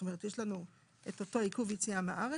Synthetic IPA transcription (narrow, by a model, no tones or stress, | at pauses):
tome̞ʁetjeʃlanu | etoto̞ikuvjit͡siamaʔaʁe